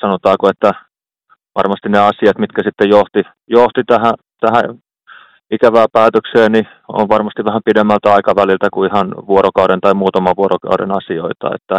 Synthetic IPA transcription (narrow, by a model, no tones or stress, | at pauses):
sɑnot̪ɑːkoet̪ːæ | ʋʔɑ̰rmɑst̪ineɑsiɑt̪mit̪kæsit̪ːejoht̪i | joht̪it̪æhæ | t̪æhæ | ikæʋæːpæːt̪økseːni | o̰ʋʋɑrmɑst̪iʋæhæmpidemːælt̪æɑikɑʋælilt̪ækuihɑnʋuoɾokɑuɾent̪ɑimuːt̪ɑmɑʋuoɾokɑ̰uɾḛnɑsio̰it̪ɑ̰ḛt̪ːæ